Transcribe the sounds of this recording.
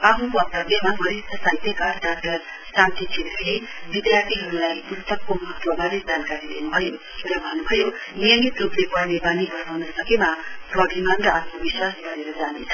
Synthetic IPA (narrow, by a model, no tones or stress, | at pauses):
aɦukʌkt̪ʌbemaɦʌɾit̪ʌsat̪ekarɖak̚ʈʌr | sant̪it͡sʰet̪rʌɦe | bid̪jart̪ʰiɦʌɾulajult̪ʌkːomʌɦʌt̪wʌbaɾed͡zankaɾilenubʱʌjo | ɾabʱʌnubʱʌjonijʌŋɡit̪ruplepʌrnebanibʌsawnʌsʌkemaprʌbʱimʌnrʌapʰnobiswasɡʌɾeɾʌd͡zanet͡sʰʌ